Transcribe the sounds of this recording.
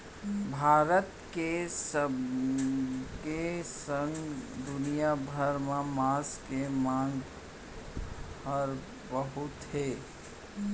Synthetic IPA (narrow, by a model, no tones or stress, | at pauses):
bʱaːɾət̪kesə | kesəŋɡd̪ʊnijabʱəɾmamaskemãŋɡ | əɾ | bəɦʊt̪ɦe